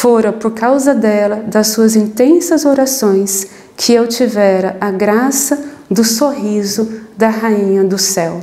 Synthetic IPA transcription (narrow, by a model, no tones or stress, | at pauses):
foɾɐ̃poɾkawzɐd̪ɛlɐd̪ɐsːuɐzĩnt̪ẽsɐzoɾasõj̃s | kʰɪewt͡ʃivɛɾɐʔaɡɾasɐ | d̪ʊsoɦizʊd̪ɐɦaĩɲɐd̪ʊsɛw